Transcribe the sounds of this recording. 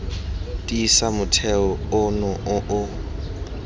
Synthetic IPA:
tʼiːsamʊtʰɛɔʊnɔʔʊʔʊ

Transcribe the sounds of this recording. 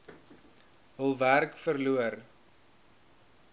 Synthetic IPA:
ɦəlˠværkfərluər

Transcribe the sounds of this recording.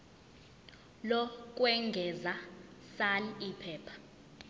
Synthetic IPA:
lɔk̬ʼwɛŋɡʱɛzasalipʰɛːpʰḁ

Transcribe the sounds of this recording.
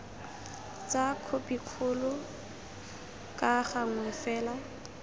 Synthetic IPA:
t͡sʼakʰopikʰʊlʊ | kʼaχaŋ̩wɛfɛːla

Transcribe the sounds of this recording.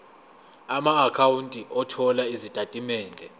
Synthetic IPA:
amaːkʰawuntʼiʔɔtʰɔlaizid̥ʼʱatʼimɛːndʱɛ

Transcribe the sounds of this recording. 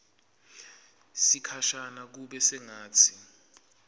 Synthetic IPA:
sikʰaʃanak̬uɓɛsɛŋaːt͡sʰi

